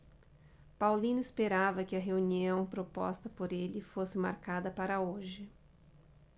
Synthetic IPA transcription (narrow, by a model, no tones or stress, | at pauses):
pawlĩnʊɪspeɾavɐkɪɐɦeuniɐ̃w̃pɾopɔ̰st̪ɐpoɾelɪfosɪma̰ɾkad̪ɐpaɾɐoʒɪ